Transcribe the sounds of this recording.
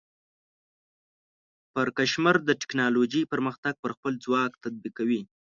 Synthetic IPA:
pəɾkaʃmaɾd̪əʈɪ̥knɑloʒəjpəɾməxt̪aɡ̚pəɾxpəld͡zwɑkt̪ad̪̚bikawi

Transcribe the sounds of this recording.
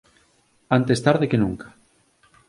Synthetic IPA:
ant̪est̪aɾðekenuŋkḁ

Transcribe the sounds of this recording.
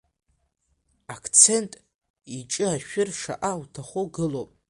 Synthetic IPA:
akʰt͡sʰe̞ntʼ | it͡ʃʼɨaʃᶣɪrʂa̰ʔawtʰaχoɡɨlopʼ

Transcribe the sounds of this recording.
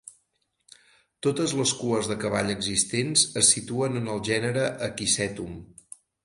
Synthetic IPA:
t̪ot̪əzləskuəzðəkəβ̞aʎəɡzist̪enzəsːit̪uənənəlˠʒɛnəɾəʔəkisɛt̪um

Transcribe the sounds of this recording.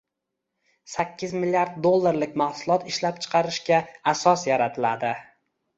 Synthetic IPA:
sakʲʰːɪzmɪlijaɾd̪̚d̪olˠːaɾlɪk̚ʲmahsʊlˠɒt̪ʰɪʃlap̚t͡ʃʰɨ̥qʰɑɾɪʃkʲaːsɒsjaɾat̪ʰɪlad̪ɪ

